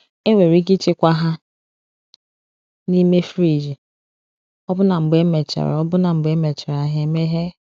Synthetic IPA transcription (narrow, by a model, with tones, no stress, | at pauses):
e˦ŋʷe˨ɾi˦ɡi˦t͡ʃɪ˦kʷa˦ɦa˦ | ni˦me˦fɾi˨d͡ʒi˨ | ɔ˦bʊ˦na˨m̩˨ɡ͡be˦me˨t͡ʃa̰˨ɾɔ˦bʊ˦na˨m̩˨ɡ͡be˦me˨t͡ʃa˨ɾa˨ɦe˨me˦ɦe˦